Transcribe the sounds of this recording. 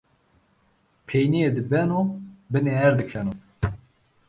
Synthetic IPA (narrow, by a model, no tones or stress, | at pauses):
pʰejnied̪ɨbɛnobɨneɦɛɾd̪ɨkʰɛno